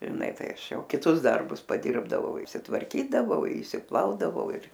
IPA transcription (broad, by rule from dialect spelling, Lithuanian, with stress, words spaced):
ʒʲɪˈnɐ tɐɪ ˈɐʃ ˈjɛʊ kʲɪˈtʊs ˈdɐrbʊs pɐˈdʲɪrbdɐʋɐʊ ɪʃʲsʲɪtʋɐrʲˈkʲiːdɐʋɐʊ ɪʃʲsʲɪˈplˠɐʊdɐʋɐʊ ɪr